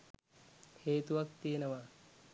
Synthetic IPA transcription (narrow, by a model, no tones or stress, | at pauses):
heːt̪uʋɐk̚t̪ijenɐʋa